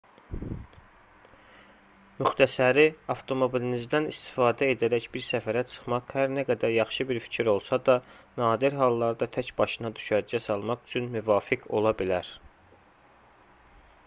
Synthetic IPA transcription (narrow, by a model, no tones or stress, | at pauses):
myxt̪ʰæsæɾiɑft̪ʰo̞mo̞bilinizd̪ænist̪i̥fɑːd̪æe̞d̪æɾæçbiɾsæfæɾæt͡ʃʰɯ̥χmɑqhæɾnæɡæd̪æɾjɑχʃɯbiɾfi̥cʰiɾo̞lˠsɑd̪ɑnɑːd̪iɾɦɑlˠːɑɾd̪ɑt̪ʰæcb̥ɑʃɯnɑd̪y̥ʃæɾd͡ʒæsɑlˠmɑχy̥t͡ʃʰynmyvɑːfiɡʰo̞̰lˠɑbilæɾ